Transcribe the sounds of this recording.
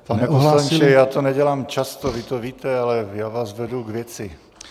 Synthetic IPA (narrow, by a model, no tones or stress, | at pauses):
panɛpɔslaɲt͡ʃɛjaːt̪ɔnɛɟɛlaːmt͡ʃast̪ɔvit̪ɔviːt̪ɛalɛjaːʋaːzvɛd̪uɡvɪjɛt͡sɪ